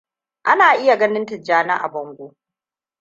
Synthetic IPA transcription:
ʔa˦naː˨ʔɪ˦ja˨ɡɐ˦nɪ˦ntɪ˨d͡ʒaː˦na˦ʔa̰˨bɐ˦ŋɡʷoː˦

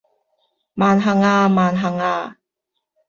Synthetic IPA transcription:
maː˨nɦɐ˨ŋaː˧maː˨nɦɐ˨˩ŋaː˧

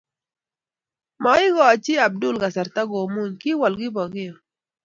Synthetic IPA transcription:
ma˨ɪ˦ɡɔ˨t͡ʃɪ˦a˨b̚dʊ˦˨lɡa˨sa˨ɾt̪a˦ɡo˨mu˦˨ɲkɪ˦wɔ˨lɡɪ˦bɔ˨ɡɪ˦ɔ˨

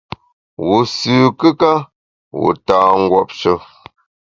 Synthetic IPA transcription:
wu˨sʉː˨kə˦ka˦ | wṵ˨taː˨ŋ̩˦ɡwɔ˦˨p̚ʃə˦

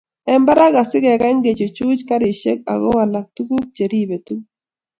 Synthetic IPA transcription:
ɛ˨mba˦ɾa˦ɡa˨sɪ˦ɡɛ˨ɡa˦ŋɡe˨t͡ʃo˨t͡ʃu˦t͡ʃka˦ɾi˨ʃe˦k̚a̰˨ɡɔ˦wa˨la˨k̚tu˦ku˦k̚t͡ʃe˨ɾi˦˨be˨tu˦k

